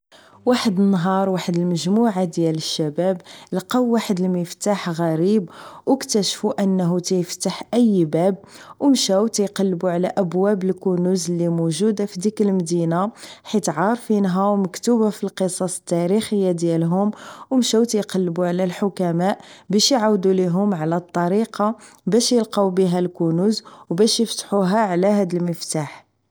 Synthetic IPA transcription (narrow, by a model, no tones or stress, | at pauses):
waħəd̪ənːɦɑɾˤwaħəd̪əlməʒmuʕad̪jæləʃːæbæblqɑwːaħəd̪əlməft̪aħɣæɾibwəkt̪æʃfuʔənːɦut̪æjəft̪aħʔəjːbæb̚ | wəmʃæwt̪æjqɑlːbuʕlæʔəbwæbəlkunuzlːimuʒud̪afid̪ikəlmd̪inaħit̪ʕɑɾˤfinɦæwməkt̪ubæfilqəsˤɑsˤə̥t̪ːæɾixəjːad̪jælɦʊmwəmʃæwt̪æjqɑlːbuʕlælħʊkæmæʔbæʃjʕawd̪uliɦʊmʕlæt̪ˤːɑɾiqɑ | bæʃjəlqɑwbiɦælkunuzwbæʃjəft̪ħuɦæʕlæɦæd̪əlməft̪aħ